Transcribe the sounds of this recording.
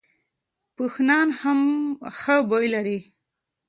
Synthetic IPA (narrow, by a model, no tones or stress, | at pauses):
pəxnɑnhamxəbojlaɾi